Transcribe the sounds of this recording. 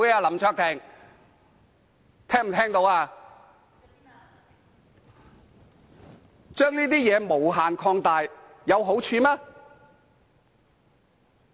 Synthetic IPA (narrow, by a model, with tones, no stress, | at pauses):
jɛ˧aː˧lɐ˨˥mt͡ʃʰœː˥k̚t̪ʰɛ˨˩ŋ | t̪ʰɛː˥ŋm̩ʰ˨˩ɛː˥ŋt̪o˧waː˧ | t͡ʃœː˥ŋniː˥t̪iː˥jɛː˨˧mo˨˩wɦaː˨nkʰɔː˧ŋt̪aː˨j | jɐ˨˧wɦo˨˥wt͡ʃʰyː˨˧maː˥